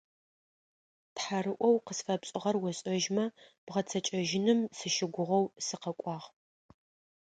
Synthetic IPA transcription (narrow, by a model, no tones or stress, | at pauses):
tħaɾɨʔʷɔwqəsfɐpɕʼɪʁɐrwɔɕʼɐʒmɐb̥ʁɐt͡sʰɐt͡ʃʼɐʒɪnɨmsɨʃɪɡʷʊʁɐwsɨqɐkʷʼɑːʁ